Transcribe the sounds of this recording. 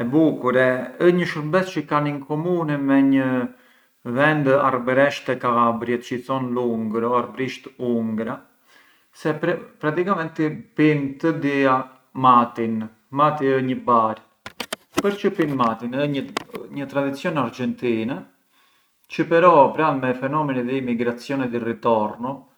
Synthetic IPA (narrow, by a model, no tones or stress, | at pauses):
ɛbukuɾɛəɲəʃəɾbɛt͡st͡ʃəkaniŋkɔmunɛmɛɲə | vɛnd̪a̰ɾbɾɛʃt̪ɛkaabɾjɛt̪t͡ʃəit͡sɔnluŋɡɾɔaɾbɾiʃt̪uŋɡɾa | sɛpɾat̪ikamɛnt̪ipint̪əd̪ia | mat̪in | mat̪iəɲəbaɾ | pəɾt͡ʃəpinmat̪inɲəɲət̪ɾad̪it͡sjɔnaɾd͡ʒɛnt̪inɛ | t͡ʃəpɛɾɔpɾalmɛfɛnɔmɛnɛðɛimiɡɾat͡sjɔnɛd̪irit̪ɔɾnɔ